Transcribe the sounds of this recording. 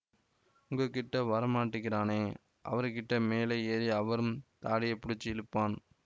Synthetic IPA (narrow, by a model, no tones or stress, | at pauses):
ʊŋɡɐkːɪʈːɐʋɐɾɐmaːʈːɯɣɪɾaːneː | ʔɐ̰ʋɐɾɯkɪʈːɐmeːlɐeːɾiɐʋɐɾɯmt̪aːɽɪjɐɪpːʊɽɪt͡ʃːɯɪlɯpːaːn